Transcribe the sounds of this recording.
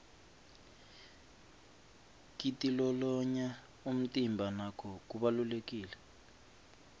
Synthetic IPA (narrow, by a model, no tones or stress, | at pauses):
k̬itʼilɔlɔɲa | um̩tʼimbʱanakʰɔk̬ʼuɓalulek̬ʼiːlɛ